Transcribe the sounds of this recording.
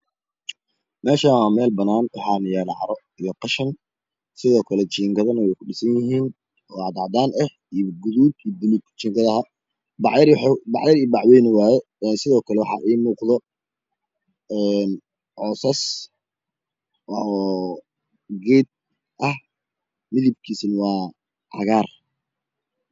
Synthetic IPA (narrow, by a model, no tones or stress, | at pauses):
mɛːʃaːwaːmɛːlbɐnaːnwɑħɑːnɪjɛːlɑʕɑ̰ɾɔ | ijɞqɑʃɐn | sɪðɔːkʰɐlɛt͡ʃiːŋɡɐðɐnɐwɛjkʰʊɗɪsɐnjɪɦiːn | ɔːɑd̪ɑʕd̪aːnɛh | iɡʊðuːd̪id̪ʊnɪɡt͡ʃiːŋɡɐðɐɦɐ | bɑʕjɐɾħbɑʕjɐɾiːbɑʕwɛjnɪwaːjɛ | ɛnsɪðɔːkʰɐlɛwɑħɑ̰ʔiːmuːqðɔ | ɛn | ʕɔːsaːs | wɔ | ɡɛːd̪̚ | ʔɐh | mɪlɪb̚kʰiːsnwɑː | ʕɑ̰ɣaːr